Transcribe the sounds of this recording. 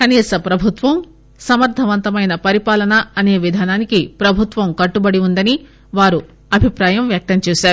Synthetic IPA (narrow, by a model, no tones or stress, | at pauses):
kɐniːsɐpɾɐbʱut̪ʋɐm | sɐmɐɾd̪ʱɐʋɐnt̪ɐmɐjnɐpɐɾipaːlɐnɐɐne̞ːʋid̪ʱaːnaːnikipɾɐbʱut̪ʋɐmkɐʈːubɐɽiund̪ɐni | ʋaːɾu | ɐbʱipɾaːjɐmʋjɐk̚t̪ɐmt͡ʃuːsaːɾu